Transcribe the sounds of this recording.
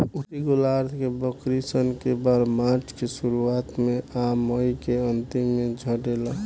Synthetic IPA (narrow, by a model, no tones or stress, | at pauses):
ut̪iɡolaɾd̪ʱkebəkɾisənkebaɾmaɾt͡ʃʰkesuɾuat̪meaməjkeənt̪imːed͡ʒʱəʈela